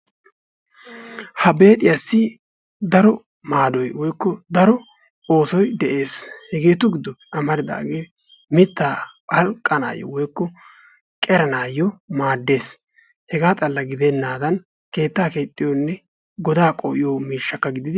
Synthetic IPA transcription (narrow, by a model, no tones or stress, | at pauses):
hɐbe̞ːt̪ʼɪjɐsːɪ | d̪ɐɾɔ | maːd̪ɔjwɔjkːɔd̪ɐɾɔ | oːsɔjd̪ɛʔe̞ːshɛɡe̞ːt̪ʊɡɪd̪ːɔpɛʔɐmɐɾɪd̪a̰ːɡeː | mɪt̪ːaːɐlkʼːɐna̰ːjːɔ̰wɔjkːɔ | kʼɛɾɐnaːjːɔmaːd̪ːe̞ːs | hɛɡaːt̪ʼɐlːɐɡɪd̪ɛnːaːd̪ɐn | ke̞ːt̪ːaːke̞ːt̪ʼːɪjonːɛ | ɡɔd̪aːkʼɔʔɪjoːmiːʃːɐkːɐɡɪd̪ɪd̪ɪ